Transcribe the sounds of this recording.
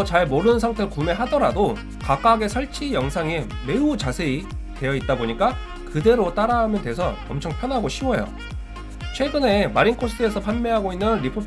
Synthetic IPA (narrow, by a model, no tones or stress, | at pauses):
t͡ɕaɭmoɾɯnnsʰaŋtʰeɾɯɭkume̞ɦadʌɾado | kak͈aɡe̞sʰʌɭt͡ɕʰijʌŋsʰaŋe | me̞ut͡ɕasʰe̞ite̞jʌit̚t͈aboɲik͈a | kɯde̞ɾot͈aɾaɦamjʌndwe̞sʰʌʌmt͡ɕʰʌŋpʰjʌnɦaɡoɕʰiwʌjo̰ | t͡ɕʰwe̞ɡɯne̞maɾiŋkʰos͈ʰtʰɯesʰʌpʰanmeɦaɡoinːɯnɾipʰo